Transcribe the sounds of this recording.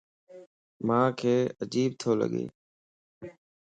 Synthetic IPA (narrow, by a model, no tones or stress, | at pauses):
mãːkʰeːəd͡ʒiːb̚t̪ʰoːlə̰ɠḛː